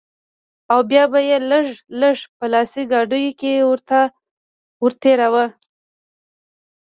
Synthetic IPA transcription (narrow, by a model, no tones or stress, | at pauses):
awbjɑbajeləʐləʐpəlɑsiɡɑɖəjokewəɾt̪a | wʊɾt̪eɾawə